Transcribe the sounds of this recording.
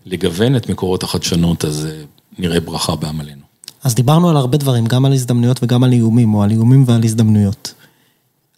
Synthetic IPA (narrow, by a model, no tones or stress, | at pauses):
leɡave̞netmeko̞ʁo̞thaχad̪ʃano̞t̪aze | niʁebʁaχabeamale̞nu | azd̪ibaʁnualaʁbe̞dvaʁimɡamalizd̪amnujo̞tveɡamaliumimo̞aliumimvealizd̪amnujo̞t̪